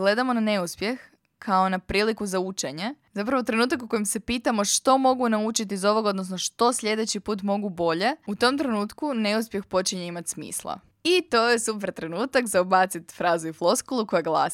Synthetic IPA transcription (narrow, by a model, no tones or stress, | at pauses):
ɡle̞d̪amo̞nane̞uspje̞x | kʰao̞napɾiːlikuzaut͡ʃe̞ɲe̞zapɾaʋot̪ɾe̞nuːt̪akuko̞jimse̞piːt̪amo̞ʃt̪o̞mo̞ɡunaut͡ʃit̪̬iːzo̞ʋo̞ɡaod̪no̞sno̞ʃt̪o̞sʎe̞d̪e̞t͡ɕipuːt̪̬mo̞ɡubo̞ʎe̞ut̪o̞mt̪ɾe̞nuːt̪kune̞uspʲje̞xpo̞t͡ʃiɲe̞imat̪ʲsmḭːslˠa̰ | it̪ojesupɾt̪ɾe̞nuːt̪akzaubat̪sit̪fɾaːzuiflˠo̞skolˠuko̞jaɡlˠa̰ːs